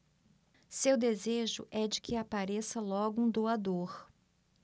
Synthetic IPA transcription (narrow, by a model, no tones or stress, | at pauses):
sewd̪ezeʒʊ̰ʔɛd͡ʒɪkʰɪapaɾesɐlɔɡʊũd̪oad̪oɾ